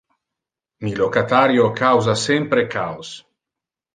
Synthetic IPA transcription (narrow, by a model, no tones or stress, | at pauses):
milokat̪aɾjokawzasɛmpɾekʰaws